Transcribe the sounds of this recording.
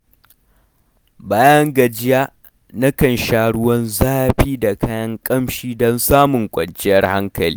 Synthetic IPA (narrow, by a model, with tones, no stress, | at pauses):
baː˦jɐ˦ŋɡɐ˨d͡ʒɪ˦jaː˦ | na˦kɐ˨nʃaː˦ɽʊ˦wɐ˦nzaː˦ɸiː˦da˨kʰaː˦jɐ˦ŋkʼɐ˦mʃiː˦dɔ˦nsaː˦mʊ˨ŋkʷʼɐ˨nt͡ʃʼɪ˦jɐ˦rha˦ŋkɐ˨lḭ˦